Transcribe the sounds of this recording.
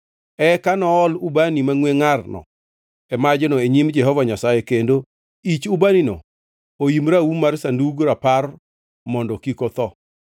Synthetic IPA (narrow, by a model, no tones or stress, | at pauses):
ɛkanɔɔlubanimaŋweŋarnɔ̰ | ɛmad͡ʒenɔeɲimd͡ʒɛɦɔvaɲasajekendo | it͡ʃubaninɔ̰ | oimɾaumarsanduɡɾapar | mɔndɔkikɔt̪ɔ